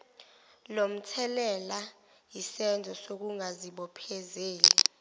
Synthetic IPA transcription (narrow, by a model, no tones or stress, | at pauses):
lom̩tʰɛlɛla | jisɛnd͡zʱɔsok̬uŋaziɓɔpʰɛzeːli